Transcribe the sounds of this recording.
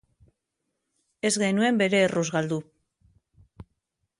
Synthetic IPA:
e̞zɣe̞nue̞mbe̞ɾe̞ːruzɣald̪u

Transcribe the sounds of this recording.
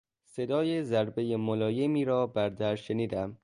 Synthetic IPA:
se̞d̪ɒːjezæɾbe̞jemolɒːjemiːɾɒːbæɾd̪æɾʃeniːd̪æm

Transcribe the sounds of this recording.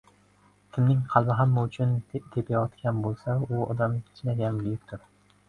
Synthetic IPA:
kʲʰɪmnɪŋqʰɑlˠbɪɦamːaʊt͡ʃʰʊnt̪ʰepʰajɒt̪kʲanbolˠsaʊɒ̰d̪amkʲʰɪ̥t͡ʃʰnaɡʲanɡʊjɪk̚ʲt̪ʰʊɾ

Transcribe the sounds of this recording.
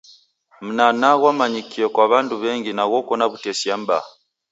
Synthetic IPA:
m̩nanaɣwamaɲikiokwaβaːnduβeːŋɟinaɣokonaβutesjamba̰

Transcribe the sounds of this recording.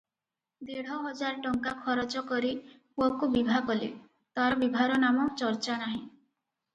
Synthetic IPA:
d̪eɽ̤ɔɦɔd͡ʒaɾɔʈɔŋkakʰɔɾɔt͡ʃɔkɔɾi | uɔkubibʱakɔlḭ | t̪aɾɔbibʱaɾɔnamɔt͡ʃɔɾt͡ʃanaɦĩ

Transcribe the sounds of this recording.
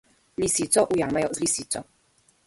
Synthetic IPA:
lisit͡sɔʔujaŋmajɔzlisit͡sɔ

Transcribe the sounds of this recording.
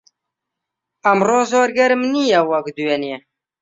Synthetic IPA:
ɐmroːzoːɾɡɐɾmnijawɐkd̪uwɛne

